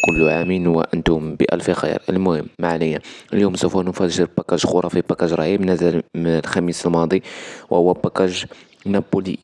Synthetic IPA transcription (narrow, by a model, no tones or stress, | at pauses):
kʊlːuʕaminhwæ̰ʔənt̪ʊmbə̰ʔæ̰lfixə̰jɑ̰ɾˤəlmʊhəmːaʕnəjːaəljumsufænʊfæʒəɾbækæʒxuɾˤɑfibækæʒɾˤɑʕimnæzməlxæmisəlmɑd̪ˤiwəhʊwːæbækæʒ | næbːulḭ